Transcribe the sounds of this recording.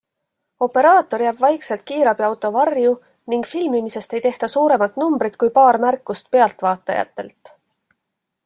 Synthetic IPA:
o̞pːe̞ɾɑːt̪ˑo̞ɾjæb̥vɑjkse̞lt̪̚kiːɾɑb̥iɑwt̪ːˑo̞vɑrju | niŋɡ̥filmimise̞st̪e̞jt̪e̞ht̪ɑsuːɾe̞mɑt̪numbɾit̪kujpɑːɾmærkːˑust̪̚pe̞ɑlt̪ˑvɑːt̪ːˑɑ̰jɑ̰t̪ːˑe̞̰lt̪ːˑ

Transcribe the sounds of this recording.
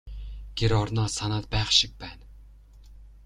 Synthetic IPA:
ɡ̥ʲeɾɒɾnɒsanat̪̚bæχʃɪk̚bæn

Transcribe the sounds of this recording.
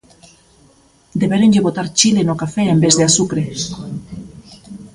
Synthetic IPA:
d̪eβeɾenʎeβot̪aɾt͡ʃilenokafeembezðeasukɾe

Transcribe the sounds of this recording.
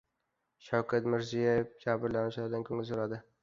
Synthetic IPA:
ʃawkʰat̪mɪɾzijajefd͡ʒabɪɾlanɪʃlaɾɪd̪ankʰɵŋʲɪzsoɾad̪ɪ

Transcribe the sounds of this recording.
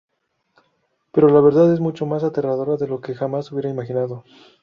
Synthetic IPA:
pe̞ɾo̞laβe̞ɾðaðe̞zmut͡ʃo̞mas̬at̪e̞raðo̞ɾaðe̞lo̞ke̞xamasuβje̞ɾaimaxinaðo̞

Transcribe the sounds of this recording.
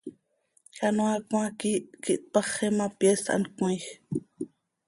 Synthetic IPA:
kanuakakiʔkiʔt̪̚pɑχɛmapjesa̰nkujx

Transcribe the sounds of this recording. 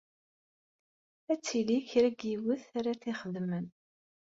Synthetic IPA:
æt͡sːiliçɾæɡiwəθaɾaθiχəðmən

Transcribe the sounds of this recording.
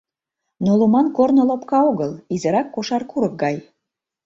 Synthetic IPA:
nolumɑnkornŏlopkɑoɣəlizə̆ɾɑkːoʃɑrkuɾək̚ɡɑj

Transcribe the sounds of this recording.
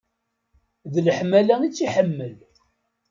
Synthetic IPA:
ðələħmælæit͡sːiħəmːəl

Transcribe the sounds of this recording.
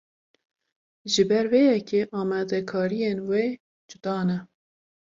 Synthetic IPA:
ʒɨbɛɾwejɛkʰeʔɑːmɛd̪ɛkʰɑːɾijenwe | d͡ʒʊd̪ɑːnɛ

